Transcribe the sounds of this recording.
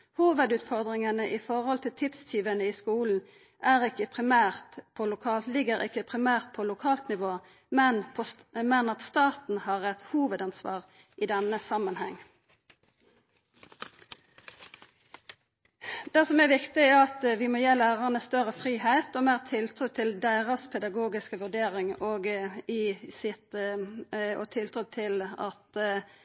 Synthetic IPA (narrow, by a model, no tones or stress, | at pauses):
huːʋəd̪ʉːt̪fɔʁd̪ʁɪŋənəʔɪfɔʁhɔlt̪ʰɪlt̪ʰɪt̪st̪ʰyːʋənəiːskuːln̩ | ʔæːʁɪkːəpʰʁɪmæːʁt̪pʰoːlʊkʰɑːllɪɡəʁɪ̰kːəpʰʁɪmæːʁt̪̚pʰoːlʊkʰɑːlt̪nɪʋoː | mɛnpʰ | mɛnɑt̪st̪ɑːt̪n̩hɑːʁɛt̪huːʋəd̪ɑnsʋɑ̰ːʁ | ʔiːd̪ɛnəsɑmənhɛŋː | d̪æsɔmæʋɪkt̪ɪæɑt̪ʋɪmoːjeːlæːʁəʁənəst̪œʁəfʁiːhæɪt̪ɔmeːʁt̪ʰɪlt̪ʰɾʉːt̪ʰɪld̪æɪʁəspʰɛd̪ɑɡoːɡɪskəʋʉd̪eːʁɪŋoːɡɪsɪt̪ | ɔ̰t̪ʰɪlt̪ʰɾʉt̪ʰɪlɑ̰t̪